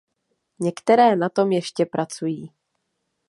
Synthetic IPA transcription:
ɲɛkt̪ɛɾɛːnat̪o̞mjɛʃcɛpɾʔat͡sujiː

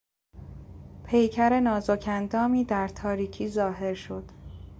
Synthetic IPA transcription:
pʰe̞jcʰæɾe̞nɒːzocʰænd̪ɒːmiːd̪æɾt̪ʰɒːɾiːcʰiːzɒːɦe̞ɾʃo̞d̪̥

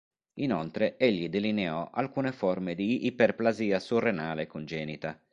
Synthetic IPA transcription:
inolt̪ɾeeʎːid̪elineɔʔalkuːnefɔrmed̪iʔːperplaziːasurːenaːlekond͡ʒɛːnit̪a

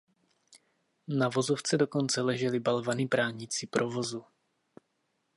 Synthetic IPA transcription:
navo̞zoft͡sɛdoko̞nt͡sɛlɛʒɛlɪbalvanibɾaːɲɪt͡sɪpɾʔovo̞zu

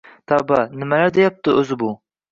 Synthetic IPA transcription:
t̪ʰɑbɑnɪmɛlæɾd̪ejɑp̚t̪ʰɨøzɪbu

